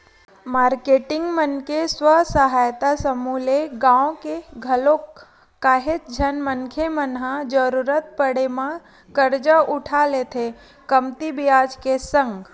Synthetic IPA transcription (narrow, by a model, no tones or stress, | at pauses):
maːɾkeʈɪ̃ŋɡmənkeswəsəɦaːjt̪asəmuːleɡãːõkeɡʱəlõː | aːɦet̪d͡ʒʱənmənkʰemənɦãd͡ʒəɾuɾət̪̚pəɽemã | kəɾd͡ʒəʊʈʰalet̪ʰe | kəmt̪ibɪjaːd͡ʒkesə̃ŋɡ